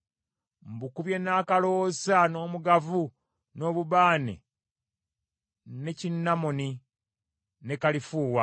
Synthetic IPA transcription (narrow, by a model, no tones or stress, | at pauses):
mbukuβje̞naːkalo̞ːsano̞ːmuɡavu | no̞ːβuβaːnḛ | ne̞cinːamoni | ne̞kalifuːwa